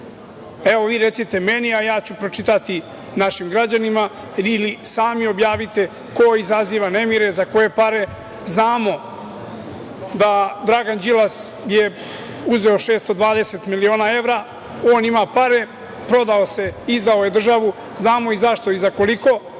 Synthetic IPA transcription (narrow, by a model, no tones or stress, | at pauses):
eʋo̞ʋiːɾe̞t̪sit̪emeniajaːt͡ɕupɾo̞t͡ʃit̪at̪i | naʃimɡɾad͡ʑanima | ilisaːmiobjaːʋit̪e̞ | ko̞izaziːʋanemiɾezako̞je̞paɾe̞ | znaːmo̞ | d̪ad̪ɾaɡand͡ʑilas | je | uzeoʃe̞ːst̪o̞d̪ʋaːd̪eset̪milio̞ːnae̞vɾa | o̞ːnimapaɾe̞ | pɾo̞d̪aose̞izd̪aoje̞d̪r̩ʒaʋu | znaːmo̞izaʃt̪o̞izako̞liko̞